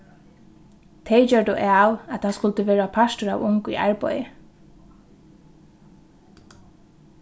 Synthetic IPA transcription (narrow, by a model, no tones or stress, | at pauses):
t̪ʰɛt͡ʃœɹd̪ʊʔaːwat̪ʰaskʊlt̪əʋeːɹapʰastʊɹa̰wʊŋkḭʔa̰ɹpɔ̰jɪ